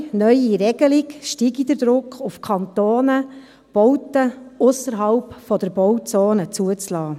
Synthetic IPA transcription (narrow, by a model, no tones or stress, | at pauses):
nœʏiɾɛɡ̥əlikʃtiːɡid̥əɾdɾʊkʰχufkʰɑnt̪oːnə | b̥ɔwtəʊsəɾɦɑlpfɔdəɾbɔwt͡soːnət͡suət͡slɑː